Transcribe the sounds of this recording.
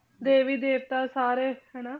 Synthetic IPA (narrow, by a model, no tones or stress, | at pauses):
d̪eːʋiːd̪eːʋt̪aːsaːɾeːhɛːnaː